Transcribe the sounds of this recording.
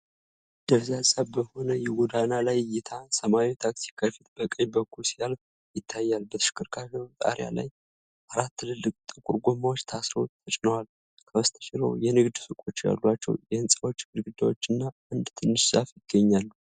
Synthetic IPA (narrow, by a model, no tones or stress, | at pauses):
d̪̥əβzasʼəβbəho̞nəjɛwɔd̪analajjɪt̪ʰasəmait̪ʰaksi̥kʰafit̪̚bəkʼəɲbəkːulsijal | jɪt̪ʰːajːalbət̪ʰɨ̥ʃɪ̥kʰːɨɾkʰafət̪ʼa̰ɾja̰la̰j | ʔaɾat̪ʰːɨlɨlːɨkʼt̪ʼɨkʼuɾɡʷomawot͡ʃːt̪ʰasɾo̞̰t̪ʰət͡ʃʼɪnəwal | kʰəwəst̪ʰə̥ʃɪɾo̞̰jɛnɨɡd̪sɨkʼo̞t͡ʃːja̰lːwat͡ʃːɛ̰wjɛɨnsʼəwo̞t͡ʃːmɨɾɡɨd̪awo̞t͡ʃːɨnːa | ɨnd̪t̪ʰɨnːɨʃsʼafjɪɡ̥ːəɲːalː